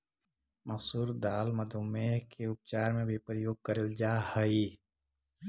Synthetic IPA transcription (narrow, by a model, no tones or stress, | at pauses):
məsuːɾd̪aːlməd̪ʱumekʰeʊp̚t͡ʃaːɾmẽbʱipɾəjoːɡ̚kəɾeld͡ʒaːhəi